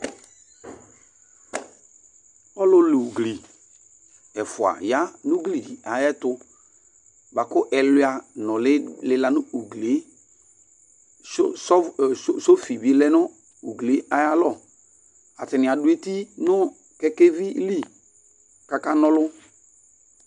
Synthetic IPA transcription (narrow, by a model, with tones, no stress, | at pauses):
ɔ˦lʊ˦lu˨ɡli˨ | ɛ˨fʊ˨a̰˨ja˦nʊ˦ɡli˨di˨ʔa˨jɛ˦tʊ˦ | ba˨kʊ˦ʔɛ˨lʊ˦a˨nɔ˨lɪ˦lɪ˦la˨nʊ˦u˨ɡle˨˦ | so˦fi˨blɛ˦nʊ˦ | u˨ɡle˨˦a˨ja˦lɔ˦˨ | a˨tɪ˨nɪ˨a˨dʊ˦e˦ti˦nʊ˦ | kɛ˦ke˦vi˦li˦ | ka˨ka˦nɔ˦lʊ˦